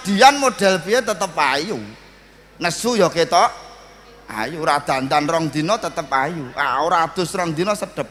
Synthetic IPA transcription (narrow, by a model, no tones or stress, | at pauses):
d̪̥i̤anmoɖ̥ɛ̤lpiet̪ət̪əpaju | nəsujɔket̪ɔʔ | a̰juɾad̪̥a̤nt̪anrɔŋd̪̥inɔt̪ət̪əp̚ajuaoɾad̪̥ʊ̤srɔŋd̪inɔsəd̥ə̤p̚